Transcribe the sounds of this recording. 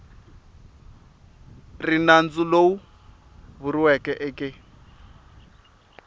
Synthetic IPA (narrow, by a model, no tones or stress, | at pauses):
rinand͡zulou | βuɾiwɛkɛʔɛkʼɛ